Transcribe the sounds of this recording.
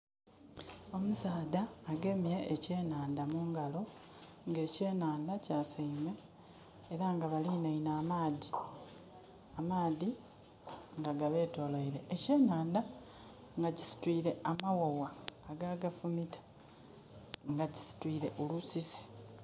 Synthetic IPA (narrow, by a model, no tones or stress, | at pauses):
o̞musaːdaːɡe̞mieʔːce̞ːnaːndamuːŋɡalo̞ | ŋɡe̞ːce̞ːnaːndacaːsaime̞ː | ɾaŋɡaβalinainaːmaːði | amaːði | ŋɡaɡaβe̞ːto̞laiɾe̞ʔːce̞ːnaːnda | ŋɡacisi̥twiːɾe̞amawowaːɡaːɡafumitʰḁ | ŋɡaci̥si̥twiːɾe̞ʔolusisi̥